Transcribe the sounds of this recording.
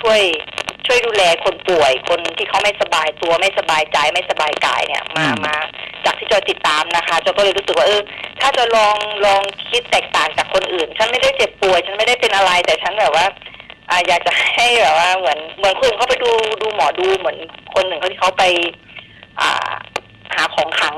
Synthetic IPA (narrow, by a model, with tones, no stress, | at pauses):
t͡ɕʰu˥˩əjt͡ɕʰu˥˩əjduː˧lɛː˧kʰo˧npu˨˩əjkʰo˧nt̪ʰiː˥˩kʰa˦˥wma˥˩jsa˧baː˧jt̪u˧ɐma˥˩jsa˧baː˧jt͡ɕa˧jma˥˩jsa˧baː˧jka̰ː˧jnḭ˥˩ɐmaː˧˩maː˧t͡ɕaː˨˩k̚t̪ʰiː˥˩t͡ɕɔː˧jt̪i˨˩t̪ːaː˧mna˦˥kʰa˦˥t͡ɕɔː˧˩kɔ˥˩lɤː˧jɾuː˦˥sk̚waː˥˩ʔɤː˧t̪ʰaː˥˩t͡ɕɔ˧˩lɔː˧ŋlɔː˧ŋkʰi˦˥t̪ːɛː˨˩k̚t̪aː˨˩ŋt͡ɕaː˨˩kʰːo˧nʔɯː˨˩nt͡ɕʰa˦˥nma˥˩jda˥˩jt͡ɕe˨˩pːu˨˩əjt͡ɕʰa˦˥nma˥˩jda˥˩jpe˧nʔa˧ɾa˧jt̪ɛː˨˩t͡ɕʰa˦˥nbɛː˨˩p̚waː˥˩ʔaː˨˩jaː˨˩k̚t͡ɕa˨˩ha˥˩jbɛː˨˩p̚waː˥˩mɯ˩˦ənmɯ˩˦ənko˧nʔkʰa˦˥wpa˧jduː˧duː˧mɔː˩˦duː˧mɯ˩˦ənkʰo˧nʔɯ˨˩ŋkʰa˧˩t̪ʰiː˥˩kʰa˦˥wpa˧j | ʔa̰ː˨˩ | haː˩˦kʰɔː˩˦ŋkʰa˦˥ŋ